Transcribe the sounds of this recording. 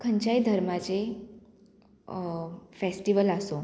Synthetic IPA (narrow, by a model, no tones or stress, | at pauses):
kʰəɲt͡ʃajd̪ʱəɾmãd͡ʒe | fesʈiʋəlaso